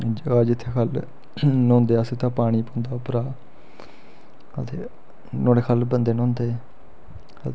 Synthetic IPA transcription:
d͡ʒəd͡ʒɪt̪ʰːeːkʰəl | nõːnd̪eːəsĩːt̪ãːpaːɽ̃iːpõːnd̪aːpəɾaː | ət̪eː | nõːeːkʰəlbənd̪eːnõːnd̪eː | ə

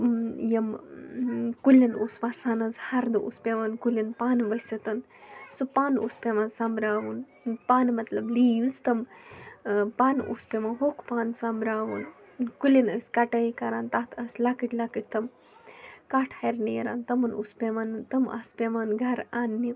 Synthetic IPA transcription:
jɐm | kulːɐnuːsʋasaːnɐzhɐɾd̪ɨʔṵːspʲeʋankulʲɐnpaːnʋɐsʲɐt̪ɐn | supaːnṵːspeʋansambɾaːʋun | paːnmɐt̪lɐbliːʋzt̪ɐm | paːnʔṵːspemanɦoːkʰpaːnsamɾaːʋunkulɐnəsʲkɐʈɐjikɐɾaːnt̪at̪ʰɐsʲlakiʈlakiʈ̚t̪ɐm | kaːʈʰɐɾnejɾa̰ːnt̪ɐmɐnuspʲemant̪ɐma̰spʲeʋanɡʱɐɾaːnːi

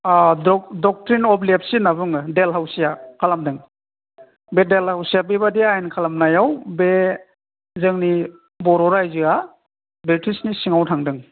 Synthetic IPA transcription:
adɔdɔk̚tɾinɔplep̚sinaβɯŋɯdelɦawsijakʰalamdɯŋ | bedelhawsijabibadiajnkʰalamnajawbe | zɯŋni | bɔɾɔɾajzɯa | bitʰisnisiŋawtʰaŋdɯŋ

